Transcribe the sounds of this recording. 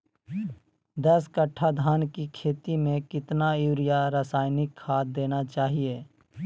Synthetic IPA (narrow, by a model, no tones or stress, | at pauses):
d̪əskəʈʰːad̪ʱaːnkikʰeːt̪imẽkɪt̪nauːɾijaɾaːsaːɪnɪkhaːt̪̚d̪eːnat͡ʃaːɦieː